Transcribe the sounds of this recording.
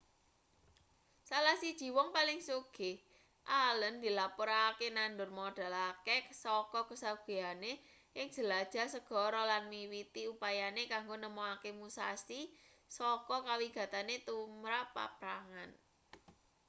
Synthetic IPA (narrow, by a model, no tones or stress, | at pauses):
salahsid̥ʒ̥i̤wɔŋpalɪŋsuɡ̥ɪh | ʔalənd̪̥i̤lapoɾakenandʊrmɔɖ̥a̤lakesɔkɔkəsaɡ̥e̤ane | ʔɪŋʒ̥ə̤lad̥ʒ̥a̤səɡ̥ɔ̤ɾɔlanmiwit̪iupajanekaŋɡonəmoakemusasi | sɔkɔkawiɡ̥a̤t̪anet̪umɾapːa̰p̚ɾaŋan